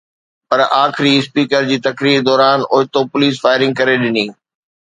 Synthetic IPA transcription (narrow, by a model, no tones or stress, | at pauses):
pɐɾaːxɪɾiɪspiːkəɾd͡ʑiːt̪ɐkɾiːɾd̪ɔːɾaːnʊɦɪt̪opʊliːs̬faːɪɾɪ̃ŋɡ̚kɐɾeɗɪniː